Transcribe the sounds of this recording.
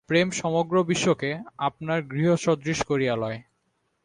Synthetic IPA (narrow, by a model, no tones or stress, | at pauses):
pɾemʃɔmoɡɾobiʃːokeapnaɾɡɾiɦoʃɔd̪ɾiʃkoɾialɔe